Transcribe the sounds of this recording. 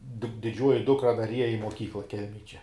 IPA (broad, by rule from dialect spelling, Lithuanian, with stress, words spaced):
dʲɪ dʲɪˈd͡ʒʲuɔjɪ ˈdʊkrɐ dɐr ˈiɛjɛ ɪ moːˈkʲiːklˠɐ ˈkʲɛlʲmʲɛj t͡ʃʲɛ